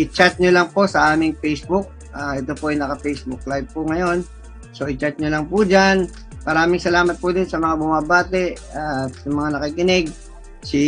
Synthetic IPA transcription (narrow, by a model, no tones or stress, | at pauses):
ʔɪt͡ʃat̪̚ɲʊlɐŋpo̞sɐʔaːmɪŋpɛjsbʊk̚ | aʔɛt̪o̞poʔɐjnɐkɐpɛjsbʊk̚lajb̚pʊŋɐjo̞n | so̞ʔɪt͡ʃat̪̚ɲʊlɐŋpud͡ʒan | mɐɾaːmɪŋsɐlaːmɐt̪̚pʊd̪onsɐmɐŋabʊmabaːt̪ɛʔ | aːɐmɐŋanɐkikɪnɪɡ̚ | si